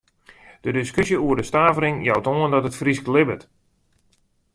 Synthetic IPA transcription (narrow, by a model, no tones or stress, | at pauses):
d̥ədɪskøsjəuərdəstaːvəɾɪŋjawtoəndɔtətfrisklɪbət